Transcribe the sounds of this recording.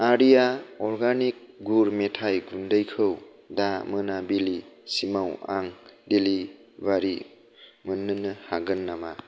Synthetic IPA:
aɾijaɔɾɡanik̚ɡuɾmetʰajɡundəjkʰɯw | damɯnabilisimawa̰ŋdelibaɾi | mɯnːɯnɯhaɡɯnːama

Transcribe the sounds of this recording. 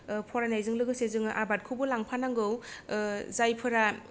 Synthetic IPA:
pʰɔɾanajzɯŋlɯɡɯsezɯŋʔabat̚kʰubɯlaŋpʰanaŋɡɯw | zajpʰɯɾa

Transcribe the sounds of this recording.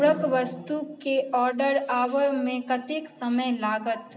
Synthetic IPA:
ɽəkʋɐst̪ukeɔːɾɖəɾaːʋəmẽkɐt̪ɪksɐməjlaːɡət̪

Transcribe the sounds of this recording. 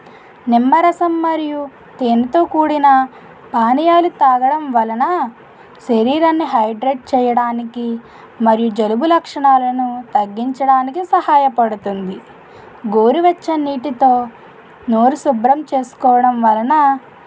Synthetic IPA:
nimːɐɾɐsɐmːɐɾiju | t̪eːnit̪o̞ːkuːɽinɐ | paːnijaːlut̪aːɡɐɽɐmʋɐlɐnɐ | ʃeɾiːɾɐnːiɦɐjɖɾeʈ̚t͡ʃɛːjɐɽaːniki | mɐɾijud͡ʒɐlubulɐkʂɐɳaːlɐnut̪ɐɡːiɲt͡ʃɐɽaːnikisɐɦaːjɐpɐɽut̪und̪i | ɡoːɾiʋɐt͡ʃːɐniːʈit̪o̞ː | noːɾusubɾɐmt͡ʃe̞ːsu̥kɔːʋɐɽɐmʋɐlɐnɐ

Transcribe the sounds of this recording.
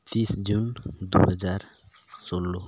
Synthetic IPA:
t̪isd͡ʒund̪ṵɦəd͡ʒaɾ | solo

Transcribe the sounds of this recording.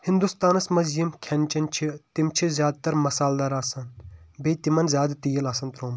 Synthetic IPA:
hind̪ust̪aːnɐsmɐzjimkʲʰɐnʲt͡ʃɐnt͡ʃʰit̪imt͡ʃʰizʲjaːd̪̚t̪ɐɾmɐsaːld̪aːɾaːsɐnbejt̪imɐnzʲjaːd̪t̪ijɐlaːsɐnt̪ɾoːm

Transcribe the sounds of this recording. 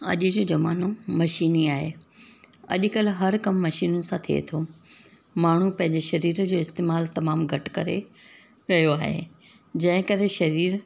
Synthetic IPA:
ɐ̰ʄɪd͡ʑoːd͡ʑɐmaːnomɐʃiːniaːɦe | ɐ̰ʄkɐlɦɐɾkɐmːɐʃiːnənɪ̆sãt̪ʰiḛt̪ʰo | maːɳ̤upɐ̃ɦɪ̃ɲd͡ʑeʃɐɾiːɾd͡ʑoːɪst̪eːmaːlt̪ɐmaːmɡʱɐʈkɐɾḛ | ɾɐɦijoaːɦḛ | d͡ʑɐ̃ɦɪ̃kɐɾeʃɐɾiːɾ

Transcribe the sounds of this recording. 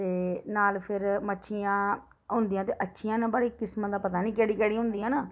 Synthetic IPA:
t̪eːnaːlpʰɪɾmətːʃʰijãː | ɦʊnd̪ijãːt̪eːʔətːʃʰijãːnãbəɽiːkɪsmãːd̪aːpət̪aːnĩːkɛːɽiːkɛːɽiːɦʊ̃nd̪ijãːnaː

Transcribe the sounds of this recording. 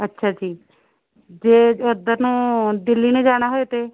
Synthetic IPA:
ətːʃʰaːd͡ʒiː | d͡ʒeːod̪əɾnũːd̪ɪlːiːneːd͡ʒaːɽ̃aːɦoet̪eː

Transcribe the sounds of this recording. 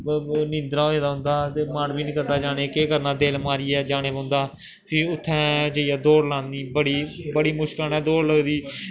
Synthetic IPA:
nɪ̃nd̪ɾaːɦoːeːd̪aːɦʊ̃nd̪aːt̪eːmənbiːnĩːkəɾd̪aːd͡ʒaːneːkeːkəɾnãːd̪eːlmaːɾiːɛːd͡ʒaːɽ̃eːbãːnd̪aː | pʰɪʊt̪ʰːɛ̃ːd͡ʒeiːaːd̪oːɾlãːnd̪iːbəɽiːbəɽiːmʊʃklːɛːd̪oːɾləɡd̪iː

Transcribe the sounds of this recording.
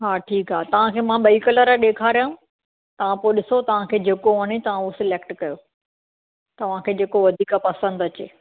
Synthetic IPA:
ɦaːʈʰiːkaːɦet̪ɐʋ̤ãkʰeːmãɓɐikələɾɗeːkʰaːɾijãũ | t̪ɐʋ̤ãpoːɗɪsot̪ɐʋ̤ãkʰeːd͡ʑeːkooːnet̪ɐʋ̤ãusɪleːkʈkɐjo | t̪ɐʋ̤ãkʰeːd͡ʑeːkoʋɐd̪ʱiːkapɐsə̃nd̪ɐt͡ɕḛː

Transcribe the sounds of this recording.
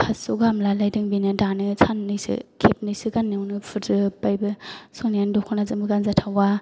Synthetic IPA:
kʰassuɡamlalajdɯŋbinɯdanɯsʰanːɯsɯ̰kʰep̚nɯjsɯɡanːɯwnɯpʰɯtɯpajbɯsonijandɔkʰɔnazɯmbɯɡanzatʰawa

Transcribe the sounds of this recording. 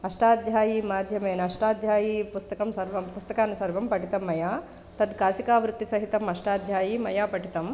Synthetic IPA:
ɐʂʈaːd̪ʱjaːjiːmaːd̪ʱjɐmeːnɐɐʂʈaːd̪ʱjaːjiːpust̪ɐkɐmsɐɾʋɐmpust̪ɐkaːnɐsɐɾʋɐmpɐʈit̪ɐmːɐjaː | t̪ɐd̪kaːsikaːʋɾut̪ːisɐɦit̪ɐmɐʂʈaːd̪ʱjaːjiːmɐjaːpɐʈit̪ɐm

